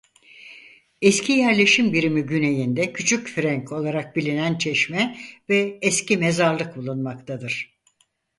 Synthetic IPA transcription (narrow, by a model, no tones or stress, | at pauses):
ɛscʰijæɾlʲe̞ʃimbiɾimiɟyne̞jind̪ɛcʰyt͡ʃʰycfɾɛɲkʰo̞lˠaɾak̚bilʲinænt͡ʃʰɛʃmɛvɛːscime̞zaɾlˠɯk̚bulˠunmakt̪ʰad̪ɯɾ̥